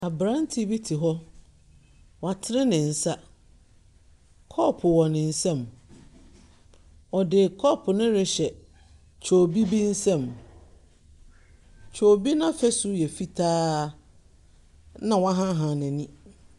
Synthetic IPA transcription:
a˨bɾã˦n˦tʰi˦bi˦tʰi˨ɦɔ˦ | wa˨tʰɪ˦ɾɪ̃˦nɪ̃˨n̩˨sa˦ | kʰɔ˦pʰʊ˨wɔ̃˨nɪ̃˨n̩˦˨sɛ̃˦˨m | ɔ˨dɪ˨kʰɔ˦pʰʊ˨nɪ̃˦ɾɪ˦ɕɛ˨ | t͡ɕʰo˨bi˦bi˦n̩˦sɛ̃˦˨m | t͡ɕʰo˨bi˦nã˦fɛ˦sʊ˦jɛ˨fi˦tʰaː˦ | nã˨wa˦ɦã˦ɦã˨nɪ̃˨nĩ˦

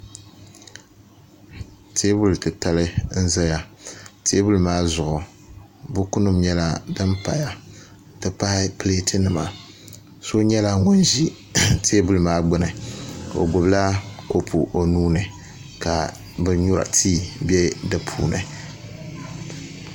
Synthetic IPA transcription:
tʰe˦bʊ˦˨ltɨ˨ta˨lɨ˦n̩˦za˦ja˨tʰe˦bu˦lmaː˦zʊ˨ʔʊ˨ | bʊ˦ku˦nɨ˦mɲɛ˦la˦dɨ˦mpa˨ja˦ | tɨ˨pa˦ɪ˦ple˦tɨ˦nɨ˨ma˨ | so˦ɲɛ˦la˦ŋʊ˦nʒi˦ | tʰe˦bu˦lmaː˦ɡ͡bɨ˦nɨ˨o̰˨ɡo˨bla˦ko˦pʰu˨ʔo˨nuː˦nɨ˨ | ka˨ | bɨ˨ɲʊ˦ɾa̰˨tʰiː˦bɛ˦dɨ˨pʰṵː˨nɨ̰˨

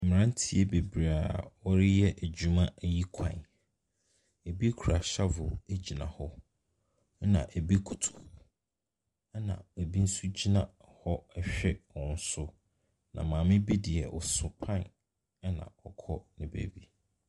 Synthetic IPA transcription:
m̩˨m˨ɾã˦n̩˦tʰi˦e˦be˨bɾa˨ɔ˦ɾɪ˦jɛ˦ʔæ˨d͡ʑu˨mã˦ʔji˦kʷʰã̰˨n | e˨bi˦kʰu˨a˨ɕa˦vʊ˨e˦d͡ʑi˨nã̰˨hɔ˦ | nã̰˨ʔe˨bi˦kʰu˨tʰu̥˨˦ | nã̰˨e˨bi˦n̩˦su˦d͡ʑi˦nã̰˨ | hɔ˦ɛ˦ɕᶣɛ˦ɔ̃˨n̩˦sʊ˦ | nã˨mãː˨mɪ̃˦bi˦dɪ˨ɛ˨ʔɔ˨sʊ˨pʰã˦˨n˦ | nã̰˨ɔ˨kʰɔ˦nɪ̃˨bæ̰˨bi˦

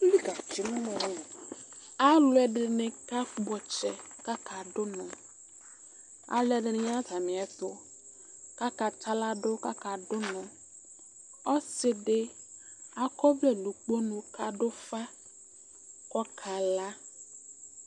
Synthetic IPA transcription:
li˦ka˨t͡ʃi˨nũ˦mɔ˨nẽ˨a˦lʊ˦ɛ˨ɖe˨nẽ˨ka˦k͡pɔ˨t͡ʃɛ˨ | ka˦ka˨ɖʊ˦nɔ̃˨ | a̰˨lɛ˦ɖe˨ñ˦a˦ta˨mĩ˨ɛ˨t̪ʊ˦ | ka˦ka˨ta˦la˦ɖʊ˦ka˦ka˨ɖʊ˦nɔ̃˨ | ɔ˦se˨ɖe˦ | a˨kɔ˦vlɛ˦lũ˨k͡po˦nũ˨ka˨ɖo˦fa˦ | kɔ˦kʰa˨la˦

